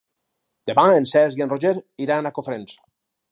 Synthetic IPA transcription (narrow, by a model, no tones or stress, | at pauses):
d̪̥eβãensɛzienroʒeɾiɾanakofɾens